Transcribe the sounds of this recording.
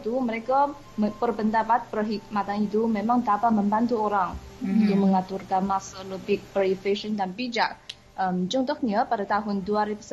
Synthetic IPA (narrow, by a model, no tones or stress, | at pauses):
t̪uməɾeka | pərpənt̪apat̪̚pəɦimat̪anit̪umemaŋd̪apaməmbant̪uoɾaŋit̪uməŋat̪urkanmasalubɪk̚bɾifeʃəndanpid͡ʒa̰ʔ | ʔəmt͡ʃɔŋt̪ɔk̚ɲapadat̪aɦʊnduaɾibus